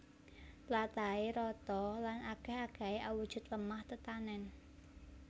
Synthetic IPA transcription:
lat̪aeɾɔt̪ɔlanaɡ̥ɛhaɡ̥a̤eʔawud̥ʒ̥ʊ̤t̪̚ləmaht̪ət̪anɛn

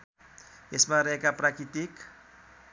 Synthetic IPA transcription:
esmaɾekapɾakit̪ik

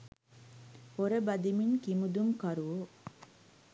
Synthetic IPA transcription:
poɾəbɐd̪iminkimud̪umkɐɾuʋo

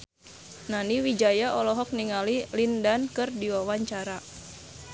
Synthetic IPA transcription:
naniwid͡ʒajaɔlɔɦɔk̚niŋalilindankɨrdiwawaɲt͡ʃaɾa

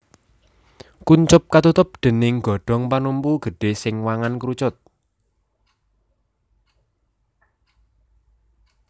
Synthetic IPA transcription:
kuɲt͡ʃʊp̚kat̪ut̪ʊp̚d̪̥ə̤nɪŋɡɔ̤ɖ̥ɔ̤ŋpanumpuɡ̥ə̤ɖ̥e̤sɪŋwaŋankɾut͡ʃʊt̪̚

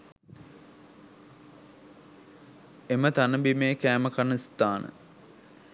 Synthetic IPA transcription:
emət̪anəbimeːkæːməkanəst̪aːnʔə̰

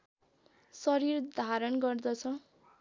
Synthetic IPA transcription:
sʌɾird̪ʱaɾʌnɡʌrd̪ʌt͡sʰʌ

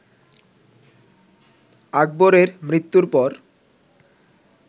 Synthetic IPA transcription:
aɡ̚boɾeɾmɾit̪ːuɾpɔɾ

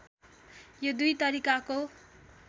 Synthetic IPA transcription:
jod̪ujt̪ʌɾikako

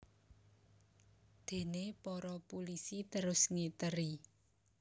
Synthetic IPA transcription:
d̪̥e̤nepɔɾɔpulisit̪əɾʊsŋet̪əɾi

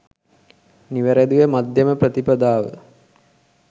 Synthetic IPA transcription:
niʋəɾed̪ujemad̪ʱjɐməprət̪ipɐd̪aːʋə̰

